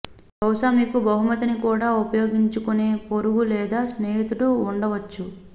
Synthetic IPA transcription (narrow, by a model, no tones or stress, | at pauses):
bɐwʂamiːkubɐɦumɐt̪inikuːɽaːupɐjo̞ːɡiɲt͡ʃukune̞ːpoɾuɡulɛːd̪aːsneːɦit̪uɽuːɳɖɐʋɐt͡ʃːu